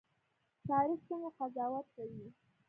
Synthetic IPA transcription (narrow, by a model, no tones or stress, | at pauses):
t̪ɑɾixsuŋɡaqazɑwat̪̚kawi